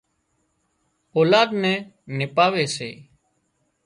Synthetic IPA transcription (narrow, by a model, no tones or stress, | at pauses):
oːlaːd̪nɛ̃ː | nɪpaːʋeːsḛː